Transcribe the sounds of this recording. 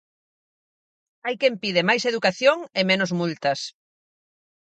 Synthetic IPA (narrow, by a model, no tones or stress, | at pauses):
ajkempið̞ɪmajseðukaθjoŋemẽnozmult̪ɐs